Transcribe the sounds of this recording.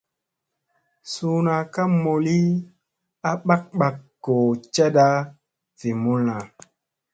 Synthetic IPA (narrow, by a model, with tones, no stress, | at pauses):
suː˦na˨ka˦mo˨li˦ | a˦ɓa˦k̚ɓa˨kːo˨t͡ʃɛ˦da˦ | v̥i˨mu˦lna˨